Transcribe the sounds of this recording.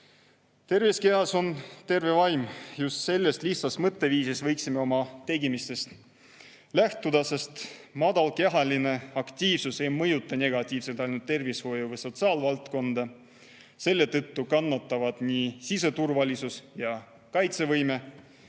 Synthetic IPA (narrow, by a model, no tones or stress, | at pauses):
t̪e̞rviske̞ɑso̞nt̪e̞rve̞vɑjmjust̪se̞lːest̪liht̪sɑsmɤt̪ːe̞viːsisvɤjksime̞o̞mɑt̪e̞ɡimist̪e̞st̪ | læht̪ud̪̥ɑse̞st̪mɑd̪ɑlke̞ɦɑline̞ɑkt̪ʲiːvsuse̞jmɤjut̪ːˑɑne̞ɡ̥ɑt̪ʲːˑiːvse̞lt̪ˑɑjnult̪ːe̞rvisho̞juvɤjso̞t̪sɑːlvɑlt̪ko̞nd̪̥ɑ | se̞lːe̞t̪ɤ̞t̪ːukɑnːɑt̪ːˑɑvɑd̪̥nisise̞t̪urvɑlʲisusjɑ | kɑjt̪se̞vɤjme̞